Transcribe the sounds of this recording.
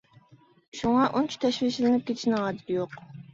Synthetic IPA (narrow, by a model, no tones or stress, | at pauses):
ʃuŋɑʔont͡ʃʰi̥t̪ʰɛʃwiʃlɪnɪp̚kʲʰet̪ʰɪʃnɨɑd̪ɪjoq